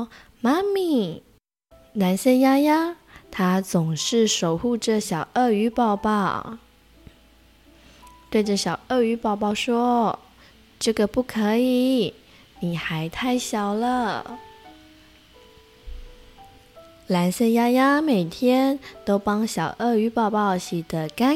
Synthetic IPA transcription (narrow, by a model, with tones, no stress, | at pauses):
ma˥mi˨˩ | na˧˥nɕɛ˥˧nja˥ja˥ | t̪ʰa˥t͡sʊ˨˩ŋʂɻ̩˥˩ʂo˨˩ʊxu˥˧ʈ͡ʂə˥˩ɕjɑ˨˩ʊʔə˥˩y˧˥pɑ˥˧ʊpɑ˥˩ʊ | t̪we˥˧ɪʈ͡ʂə˥˩ɕjɑ˨˩ʊʔə˥˩y˧˥pɑ˥˧ʊpɑ˥˧ʊʂwɔ˥ | ʈ͡ʂɤ˥˩ɡə˩pu˥˩kʰɤ˧˥i˨˩˦ | ni˨˩xa˧˥ɪt̪ʰa˥˩ɪɕjɑ˨˩ʊlə˦ | la˧˥nɕɛ˥˧nja˥ja˥me˨˩ɪt̪ʰjɛ˥nt̪o˥ʊpɑ˥ŋɕjɑ˨˩ʊʔə˥˩y˧˥pɑ˥˧ʊpɑ˥˩ʊɕi˨˩d̪ə˦ka˥